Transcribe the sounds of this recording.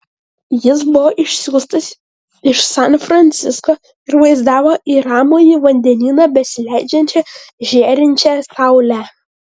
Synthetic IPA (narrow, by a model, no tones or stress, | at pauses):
jɪs̬bʊʋoːʔɪʃʲsʲuːst̪ɐs | ɪʃsɑnfɾɐnʲt̪sʲɪskoː | ɪɾʋɐɪzd̪ɑːʋoːʔiːɾɑːmoːjɪʋɐnʲd̪ʲɛnʲiːnɑbʲɛsʲɪlʲæɪd͡ʒʲɛnʲt͡ʃʲɛʒʲeːɾʲɪnʲt͡ʃʲɛsɑʊlʲæ